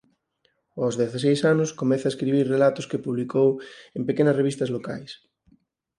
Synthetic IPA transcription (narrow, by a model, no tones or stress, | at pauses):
ozðeθas̬ejsanʊskomeθaeskɾiβiɾrelat̪ʊskepuβlikowempekenɐsreβist̪ɐzloka̰js